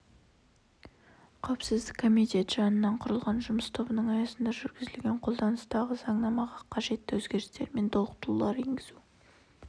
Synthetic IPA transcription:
qʰɑwɪpsɪzd̪ɪkʰːo̞mit̪ʲe̞t̪ʒ̥ɑnənːɑɴqʰʊɾəlˠʁɑnʒʊməst̪ʰo̞bənəɴɑjɑsənd̪ɑʒʏɾɡʲɪzɪlɡʲe̞ɴqʰo̞lˠd̪ɑnəst̪ɑʁəzɑɴnɑmɑʁɑqʰɑʒe̞t̪ːɪwɵzɡʲe̞ɾɪst̪e̞̰ɾme̞nt̪ʰolˠəq̚t̪əlulˠɑɾeŋɡʲɪzu

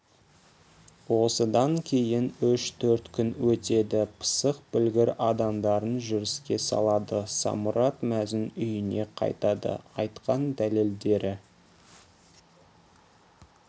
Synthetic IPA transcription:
wo̞səd̪ɑŋkʲʰe̞jɪnʏʃt̪ʰɵɾt̪kʲʰʏnwɵt̪e̞d̪ɪpʰə̥səq̚bʏlɡʲɪɾɑd̪ɑmd̪ɑɾənʒʏɾɪskʲe̞sɑ̰lˠɑd̪əsɑ̰mʊɾɑt̪mæzɪnʏjɪne̞qʰɑ̰jt̪ɑd̪ə̰ɑjt̪qɑnd̪æle̞ld̪e̞ɾʔɪ

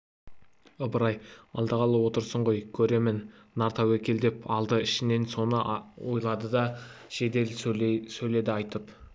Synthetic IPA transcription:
əbəɾɑjɑ̰lˠd̪əʁɑlˠəwo̞t̪əɾsəɴʁo̞jkʲʰɵɾe̞mɪnː | ɑɾt̪ɑwekʲe̞ld̪e̞pɑlˠd̪əɪʃɪne̞nso̞nəwo̞jlˠɑd̪əd̪ɑʃe̞d̪e̞lsɵjle̞d̪ɪɑjt̪əp

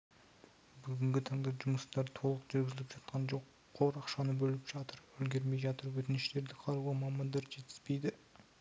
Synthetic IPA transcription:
bʏɡʲɪŋɡʲɪt̪ʰɑɴd̪ɑʒʊməst̪ɑɾt̪ʰo̞lˠəqʒɪɾɡʲɪzɪlɪpʒɑt̪̚qʰɑnʒo̞qʰːoɾɑqʃɑnəbɵlɪpʒ̥ɑt̪əɾwɵlɡʲe̞ɾme̞jʒɑt̪əɾwɵt̪ɪnɪʃle̞ɾd̪ɪqʰɑɾuʁɑmɑmɑnd̪ɑɾʒe̞t̪ɪ̥z̥pe̞jd̪ɪ

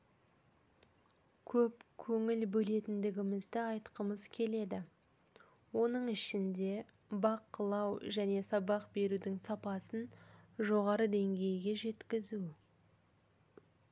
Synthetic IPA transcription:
kʲʰɵpkʲʰɵŋɪlbɵle̞t̪ɪnd̪ɪɡʲɪmɪzd̪ɪɑjt̪qəməzkʲʰe̞le̞d̪ɪ | wo̞nəɴɪʃɪnd̪e̞ | bɑqəlˠɑwʒæne̞sɑbɑqbe̞ɾud̪ɪŋsɑpɑsənʒo̞ʁɑɾəd̪e̞ŋɡʲe̞jɡʲe̞ʒe̞t̪kʲɪzu

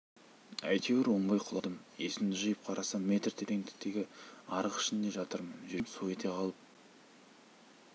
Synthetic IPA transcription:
æ̰jt̪ʰe̞weɾwoɴbɑjqʰʊlˠɑd̪əmjesɪmd̪ɪʒəjəp̚qʰɑɾʔɑsɑme̞t̪rt̪ʰeɾeŋt̪ʰɪ̥kt̪ːe̞ɡʲɪɑɾəqɪ̥ʃɪnd̪e̞ʒɑt̪əɾmənʒɪmsue̞t̪ʰe̞qʰɑlˠəp̚

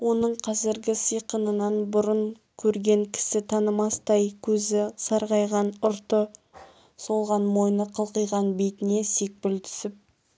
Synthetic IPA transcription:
wo̞nəɴqʰɑzɪɾɡʲɪsəjqənənɑnbʊɾʊɴ | kʲʰɵɾɡʲe̞ŋkʲʰɪ̥sɪt̪ʰɑnəmɑst̪ɑjkʲʰɵzɪsɑɾʁɑjʁɑnʊɾt̪ə | so̞lˠʁɑnmo̞jnəqʰəlˠqəjʁɑnbe̞jt̪ɪne̞se̞k̚pɪlt̪ʰʏ̥sɪp̚

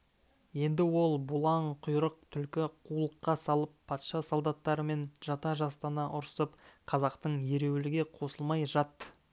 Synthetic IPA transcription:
je̞nd̪ɪwo̞lˠbʊlˠɑɴqʰʊjɾəq̚t̪ʰʏlkʲɪqʰulˠəqːɑsɑlˠəppʰːɑt̪ʃɑsolˠd̪ɑt̪ːɑɾəme̞nʒ̥ɑt̪ɑʒɑst̪ɑnɑʔʊɾsəp̚qʰɑzɑqt̪əɴje̞ɾe̞wlɪɡʲe̞qʰo̞səlˠmɑjʒɑt̪ːə̥

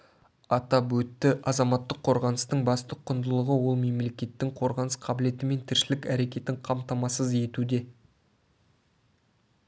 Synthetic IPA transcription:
ɑt̪ɑɵt̪ːɪʔɑzɑmɑt̪ːəqʰːo̞ɾʁɑnəst̪əɴbɑst̪əqʰːʊnd̪əlˠəʁəwo̞lˠme̞mle̞kʲe̞t̪ːɪŋqʰo̞ɾʁɑnəsqʰɑbɪle̞t̪ɪme̞nt̪ʰɪɾʃɪlɪkæɾe̞kʲe̞t̪ɪɴqʰɑmt̪ɑmɑsəzje̞t̪ud̪e̞

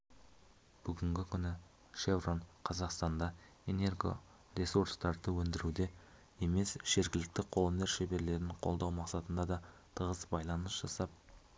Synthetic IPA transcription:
b̥ʏɡʲɪŋɡʲɪkʲʰʏnɪ | ʃe̞vronqʰɑzɑqst̪ɑnd̪ɑ | e̞ne̞rɡo̞̰ | re̞suɾst̪ɑɾd̪əwɵnd̪ɪɾud̪e̞ | e̞me̞sʒ̥e̞ɾɡʲɪlɪk̚t̪ɪqʰo̞lˠəneɾʃebe̞ɾle̞ɾɪɴqʰo̞lˠd̪ɑwmɑqsɑt̪ənd̪ɑd̪ɑt̪ʰəʁəsbɑjlˠɑnəsʒ̥ɑsɑp̚

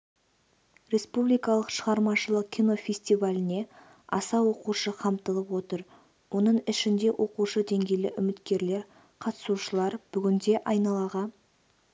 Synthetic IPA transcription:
ɾʲe̞spublijkɑlˠəqʃəʁɑɾmɑʃəlˠəq̚kʲʰijno̞fʲe̞sʲt̪ivalʲɪne̞ | ɑ̰sɑwo̞quʃəqʰɑmt̪əlˠəpwo̞t̪əɾ | wo̞nəɴɪʃɪnd̪e̞wʔo̞quʃəd̪e̞ŋɡʲe̞jlɪʔʏmɪt̪kʲe̞ɾle̞ɾ | qʰɑt̪ə̥suʃəlˠɑɾb̥ʏɡʲɪnd̪e̞ʔɑjnɑlˠɑʁɑ

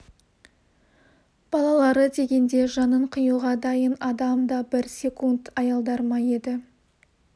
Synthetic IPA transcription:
b̥ɑlˠɑlˠɑɾəd̪e̞ɡʲe̞nd̪e̞ʒɑnəɴqʰəjuʁɑd̪ɑjənɑd̪ɑmd̪ɑbɪɾsʲe̞kunt̪ɑjɑlˠd̪ɑɾmɑje̞d̪ɪ

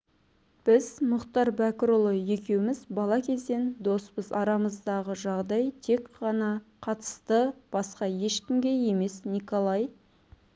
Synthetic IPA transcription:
b̥ɪzmʊqt̪ɑɾbækʲɪɾolˠoje̞kʲe̞wɪmɪzbɑlˠɑkʲʰe̞zd̪e̞nd̪o̞spəzɑɾɑməzd̪ɑʁəʒɑʁd̪ɑjt̪ʰe̞kqɑnɑqʰɑt̪ə̥st̪əb̥ɑsqɑje̞ʃkʲɪmɡʲe̞je̞me̞snikolˠɑj

